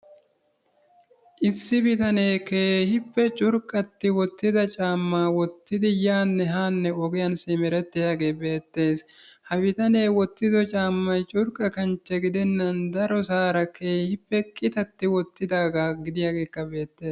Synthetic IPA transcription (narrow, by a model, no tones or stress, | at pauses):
ʔɪsːɪbɪt̪ɐne̞ːkeːhɪpːɛt͡ʃʼʊɾkʼːɐt̪ːɪwɔt̪ːɪd̪ɐt͡ʃʼaːmːaːwɔt̪ːɪd̪ɪjaːnːɛɦaːnːɛɔɡɛjɐnsɪmɛɾɛt̪ːɪjaːɡe̞ːbe̞ːt̪ːe̞ːs | hɐbɪt̪ɐne̞ːwɔt̪ːɪd̪ɔt͡ʃʼaːmːɐjt͡ʃʼʊɾkʼːɐkɐnt͡ʃːɛɡɪd̪ɛnːɐnd̪ɐɾɔsaːɾɐkʰe̞ːhɪpːɛkʼɪt̪ɐt̪ːɪwɔt̪ːɪd̪aːɡaːɡɪd̪ɪjaːɡe̞ːkːɐbe̞ːt̪ːe̞ːs